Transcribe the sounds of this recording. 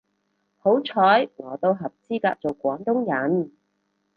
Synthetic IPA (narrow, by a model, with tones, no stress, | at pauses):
ho˨˥wt͡sʰɔː˨˥jŋɔː˨˩t̪o˧wɦɐ˨p̚t͡siː˥kaː˧k̚t͡so˨wkʷɔː˨˥nt̪ʊ˥ŋjɐ˨˥n